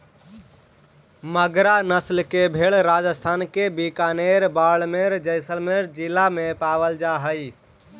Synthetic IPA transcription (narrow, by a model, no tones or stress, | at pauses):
məɡɾanəslkebʱeɭɾad͡ʒəst̪ʰaːnkebikaːneɾbaːɭmeɾd͡ʒəɪsəlmeɾd͡ʒɪlamẽpaːʋəld͡ʒaɦəj